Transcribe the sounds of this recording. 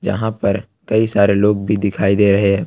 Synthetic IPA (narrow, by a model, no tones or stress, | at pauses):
d͡ʒɐ̰ɦãpɐɾ | kɐisaːɾeloːɡ̚bʱid̪ɪkʰaːid̪eːɾɐɦeɦɛ̃ː